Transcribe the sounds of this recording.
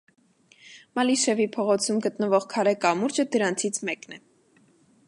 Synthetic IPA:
mɑliʃɛvipʰɔʁɔt͡sʰumɡət̪nəvɔʁkʰɑɾɛkɑmuɾd͡ʒəd̪əɾɑnt͡sʰit͡sʰmɛknɛ

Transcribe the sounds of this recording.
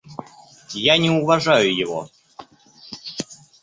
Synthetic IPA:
janʲɪʊvɐʐajʊjɪvo̰

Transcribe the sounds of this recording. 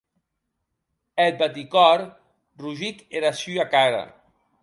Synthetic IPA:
el̚bat̪̬ikɔɾ | ruʒikeɾasyakaɾa̰

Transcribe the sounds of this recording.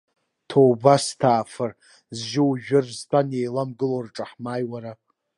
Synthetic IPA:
tʰowbastʰaːfɨr | zʒɪwʒᶣʊrztʰʼanejlamɡɨlorʈ͡ʂʼaħmaːjwaɾa

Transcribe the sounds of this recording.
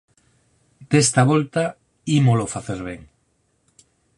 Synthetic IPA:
d̪̥est̪aβolt̪a | imolofaθeɾβ̞eŋ

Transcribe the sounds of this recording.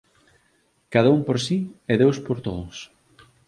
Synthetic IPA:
kaðaumpoɾsiɛðewspoɾt̪oðʊs

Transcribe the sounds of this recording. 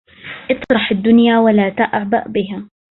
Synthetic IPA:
ʔɨt̪ˤɾˤɑħad̪ːʊnjaːwalaːt̪aʔaʕba̰ʔbɪɦaː

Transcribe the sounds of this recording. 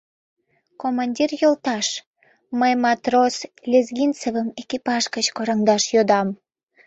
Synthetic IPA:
komɑnʲdʲirjolˠt̪ɑʃ | məjmɑt̪roslʲezɡʲint͡sevəmekipɑʃkət͡ɕkoɾəŋd̪ɑʃjod̪ɑm

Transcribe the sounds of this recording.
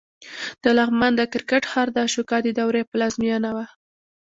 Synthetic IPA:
d̪̥əlaɣmand̪əkɪɾkaʈxɑɾd̪əʃukɑd̪id̪awɾepəlazmijɑnawa

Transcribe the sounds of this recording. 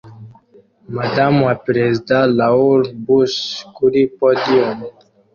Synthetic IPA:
mad̪amwapɾezd̪ãlauɾbuskuɾipɔd̪iɔm

